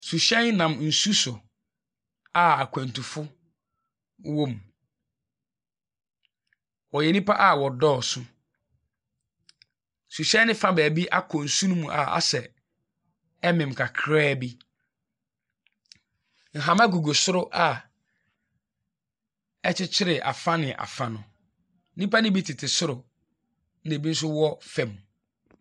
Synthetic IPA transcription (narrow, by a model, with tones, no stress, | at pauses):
su˨ɕɛ̃˦nnã˨mn̩˨su˦sʊ˨ | a˨a˨kʷʰæ̃˨n˨tʰu˨fʊ˦ | wõ˦m | wɔ˨jɛ˨nĩ˦pʰa˦ʔa˦wɔ˨dɔː˦˨sʊ˦ | su˨ɕɛ̃˦nːɪ̃˦fã˦bæː˨bi˦ʔa˦kʰɔ˨n̩˨sũ˦nũ˦mũ˨ʔa̰˨a̰˨sɛ˨ | ɛ˦mɪ̃˨m̩˨kʰa˨kʰɾɛː˦bi˦ | ŋ̩˨ɦã˨mã˦ɡu˨ɡo˨sʊ˦ɾʊ˦ʔa˨ | ɛ˦t͡ɕʰɪ˦t͡ɕʰɪ˦ɾɪ˨ʔa̰˨fã˦nɪ̃˨ʔa̰˨fã˨nʊ̃˨˦ | nĩ˦pa˦nɪ̃˦bi˦tʰɪ˨tʰɪ˨sʊ˦ɾʊ˨ | n̩˦ne˨bi˦n̩˦s̬ʊ˦wɔ˦fɛ˨mũ˨